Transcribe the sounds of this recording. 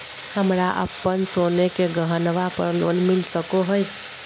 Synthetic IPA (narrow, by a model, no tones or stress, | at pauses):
həmɾaʔə̰pːənsonekeɡəɦənʋapə̰ɾlo̰nmilsəkoɦəj